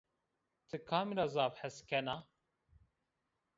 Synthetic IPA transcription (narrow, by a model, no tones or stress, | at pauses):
t̪ʰɨkʰaːmiɾazaːbħɛskɛna